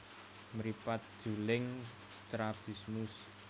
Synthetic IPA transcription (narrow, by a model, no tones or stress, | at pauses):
məɾipat̪̚d̥ʒ̥ulɪŋ | st̪ɾab̥ismus